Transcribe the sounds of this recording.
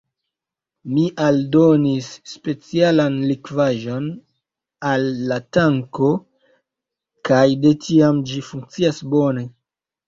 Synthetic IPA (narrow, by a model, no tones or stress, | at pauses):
miʔaldo̞nisːpe̞t͡sialanlikvaʒo̞n | alːataŋko̞ | kajde̞tʰiamd͡ʒifuŋk̚t͡siasbo̞ne̞